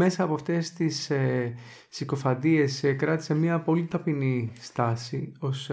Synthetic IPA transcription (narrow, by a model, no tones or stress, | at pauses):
me̞sɐːpoɐft̪e̞st̪ise | siko̞fɐnd̪ie̞skɾɐt̪i̥semɲɐpo̞lit̪ɐpinist̪ɐsio̞s